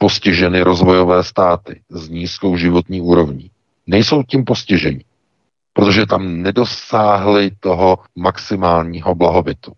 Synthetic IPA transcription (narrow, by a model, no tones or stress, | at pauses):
po̞scɪʒɛnɪɾo̞zvo̞jo̞vɛːst̪aːt̪ɪzɲiːsko̞wʒɪvo̞t̪ɲiːuːɾo̞vɲiː | nɛjso̞wciːmpo̞scɪʒɛɲɪ | pɾot̪o̞ʒɛt̪amnɛdo̞saːɦlɪt̪o̞ɦo̞maksɪmaːlɲiːɦo̞blaɦo̞bɪt̪u